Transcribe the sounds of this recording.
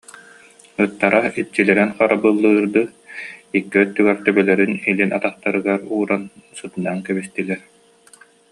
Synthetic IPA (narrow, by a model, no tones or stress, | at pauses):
ɯt̪ːaɾait͡ɕːilɛɾɛnχaɾabɯlˠːɯːɾd̪ɯikːɛt̪ːyɡɛɾt̪œbœlɛɾynilinat̪aχt̪aɾɯɡaɾuːɾansɯt̪ɯnankɛbist̪ilɛɾ